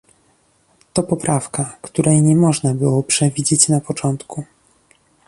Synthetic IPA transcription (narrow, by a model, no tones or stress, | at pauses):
t̪ɔpɔpɾafkakt̪uɾʔɛjɲɛmɔʐnabɘwɔpʂɛvʲid͡ʑet͡ɕnapɔt͡ʂɔnt̪ku